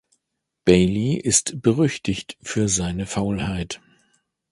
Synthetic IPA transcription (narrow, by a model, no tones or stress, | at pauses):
b̥eɪliʔɪstb̥əʁʏçtɪçtfyːɐzaɪnəfaʊlhaɪt